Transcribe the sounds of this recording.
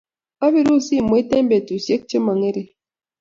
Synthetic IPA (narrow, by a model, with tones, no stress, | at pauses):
a˦βi˨˦ɾu˦˨si˦˨m˨˦te˦m˦be˨tu˨sje˦k̚t͡ʃə˦ma˨ŋe˦ɾi˨